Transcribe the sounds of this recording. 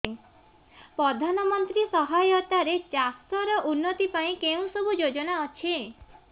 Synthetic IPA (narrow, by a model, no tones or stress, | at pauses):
pɾɔd̪ʱanɔmɔnt̪ɾisɔɦajɔt̪aɾet͡ʃast̪ɔɾɔʔunːɔt̪ipaĩkeũsɔbʱud͡ʒod͡ʒɔnaɔt͡ʃʰe